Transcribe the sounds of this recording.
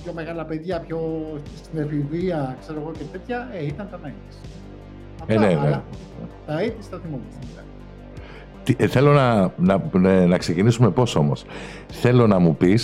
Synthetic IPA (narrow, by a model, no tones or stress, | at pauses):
pço̞meɣɐlɐpeðʝɐpçost̪inefiviɐkse̞ɾo̞ɣo̞cet̪et̪çɐeit̪ɐnt̪ɐnɐit̪i̥s | ɐnene | t̪ɐit̪ist̪ɐθimomɐsɐnit̪ɐ | t̪iθe̞lo̞nɐnɐnɐkse̞cinisume̞po̞so̞mos | θe̞lo̞nɐmupis